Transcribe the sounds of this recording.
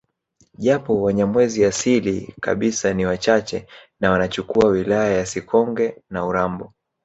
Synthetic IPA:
ʄapɔwaɲamwɛziasilika̰ɓisaniwat͡ʃat͡ʃɛnawanat͡ʃukuawilajajasikʰɔŋɡɛnauɾambɔ

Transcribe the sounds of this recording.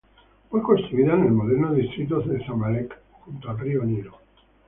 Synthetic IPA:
fwekonst̪ɾuiðanelmoðeɾnoist̪ɾit̪̬oesamalek | xunt̪oapɾioniɾo

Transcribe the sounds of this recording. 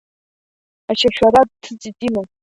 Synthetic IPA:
aʃaʃᶣaɾad̚tʰɨt͡sʼitʼima

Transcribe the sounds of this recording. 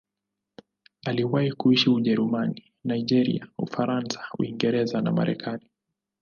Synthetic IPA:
aliwahikuiʃiuʄɛɾumani | naiʄɛɾḭaufaɾansḁṵiŋɡɛɾɛzana̰ma̰ɾɛ̰kʰani

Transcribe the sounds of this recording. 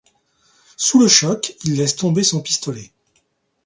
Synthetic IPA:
suləʃɔkilːɛst̪ɔ̃besɔ̃pi̥st̪ɔlɛ

